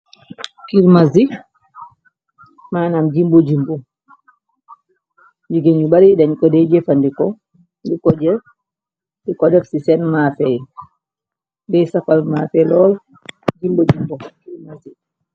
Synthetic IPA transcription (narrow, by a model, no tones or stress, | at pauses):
kiɾmazi | maːnamd͡ʒimbod͡ʒimbɔ | d͡ʒiɡeɲubaɾidaɲkɔdɛjd͡ʒɛfandikɔ | ndikɔd͡ʒɛ | dikɔdɛfsisɛnmaːfɛj | dɛjsafalmafɛlɔl | d͡ʒimbod͡ʒimbɔkiɾmazi